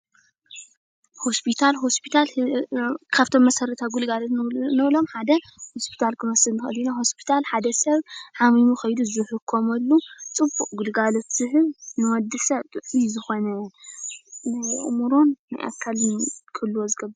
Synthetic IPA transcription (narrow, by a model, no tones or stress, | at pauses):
hospʰit̪ʰalɦospʰit̪ʰal | kʰaβt̪ʰo̞mːɐsɐɾɐt̪ʰaɡulɡalot̪nɐβlo̞mħad̪ɐ | hospʰi̥t̪ʰalkʰɨmɐsɨlnɨxɨ̰linaho̞spʰi̥t̪ʰalħad̪ɐsɐβħamimuxɐjd̪uzɨħɨkʰːomɐlːut͡sʼɨbːuʔʼɡulɡalo̞t̪z̥ɨhɨβnɨwɔd̪ɨsɐβt̪ʼɨʕijzɨxo̞nɐ | nɨʔmuɾonːa̰jʔa̰kʰːalkʰɐlːuwozɨɡɐbːɨɾ